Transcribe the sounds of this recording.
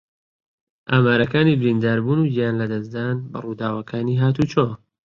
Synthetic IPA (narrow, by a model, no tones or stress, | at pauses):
ʔaːmaːɾɐkaːniːbɪɾind̪aːɾbuːnuːd͡ʒijaːnlɐd̪ɐsd̪aːnbɐ̰ruːd̪aːwɐkʰaːniːɦaːt̪uːt͡ʃoː